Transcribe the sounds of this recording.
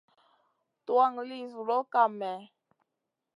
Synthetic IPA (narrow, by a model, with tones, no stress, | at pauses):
twa˦˨ŋli˦sɾɔ˦ka˨mɛ˨